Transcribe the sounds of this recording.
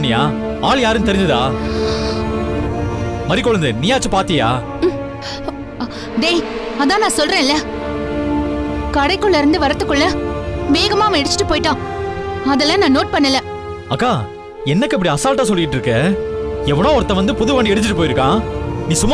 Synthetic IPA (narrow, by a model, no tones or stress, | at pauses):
nːɪjaː | aːɭjaːɾɯnt̪ɛɾɪɲd͡ʒɐðɯa̰ː | mɐɾikːɔɻɐnd̪ɯnɪjaːt͡ʃːɯpaːɾt̪ɪja̰ː | d̪eː | ɐðãːnãːsɔlɾẽːɪlːɛ | kɐɽɐɪkːɯɭːɐɪɾɯnd̪ɯʋɐɾɐt̪ːɯkːɯɭːɐʋeːɣɐmaːɐʋɐ̃ɛɽɯt͡ʃːɪ̥ʈːɯpoːjɪʈːãː | ɐðɛlãːnãːnoːʈ̚pɐɳːɐlːɐ | ɐkːaː | ɛnːɐkːɯɪp̬ːɐɽiɐsaːlʈːaːs̬ɔlːɪjɪʈːɾɯkːɛ | ɛʋɐɳõːɔɾɐt̪ːɐ̃ʋɐnd̪ɯpʊðɯʋaːɳɖiɛɽɯt͡ʃːɪʈːɯpoːjɪɾɯkːãːniːsʊmː